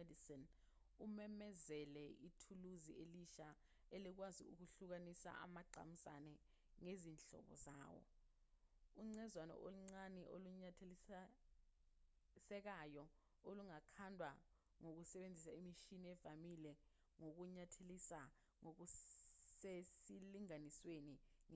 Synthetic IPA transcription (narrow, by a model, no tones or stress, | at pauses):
edisin | umɛmɛzɛlɛʔitʰuluzieliʃa | ɛlik̬wazḭuk̬uɬuk̬anisa̰a̰maǃa̰musa̰nɛ | ŋezinɬɔ̰ɓɔ̰za̰ːwɔ̰ | uŋ͡ǀɛzwanɔ̰ʔoluŋ͡ǀanɛʔoluɲatʰeli | sɛk̬ajɔ | oluŋakʰandʱwa | ŋok̬usɛɓend͡zʱisaimiʃiniɛvamilɛ | ŋok̬uɲatʰelisa | ŋok̬u | esiliŋanisweniŋ